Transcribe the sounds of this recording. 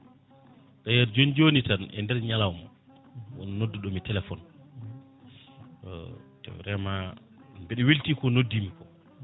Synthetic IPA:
tajɛɾd͡ʒond͡ʒonitanɛ̰ndɛɾɲalawmɔ̰ | wɔ̰nɔnodːuɗɔmitɛlɛfɔn | ɔ̰tɛ̰wɾɛma | mbɛɗɛweltikɔnodːimikɔ

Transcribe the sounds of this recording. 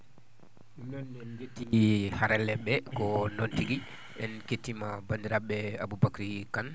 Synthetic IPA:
netːihaɾɛlːɛɓɛkɔnontiɡi | ʔɛnketːimabandiɾaɓɛa̰bubakɾikan

